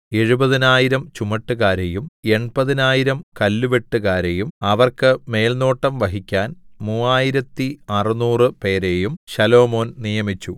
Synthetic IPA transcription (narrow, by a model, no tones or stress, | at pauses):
e̞ɻubɐðinaːjiɾɐmt͡ɕumɐʈːɨɣaːɾejume̞ɳpɐðinaːjiɾɐmkɐlːuʋeʈːuɣaːɾejumɐʋɐrkɨme̞ːlno̞ːʈːɐmʋɐɦikʲːaːnmuːaːjiɾɐt̪ːiɐrɨnuːrɨpe̞ːɾe̞jumɕɐlo̞ːmo̞ːnnijɐmit͡ɕːu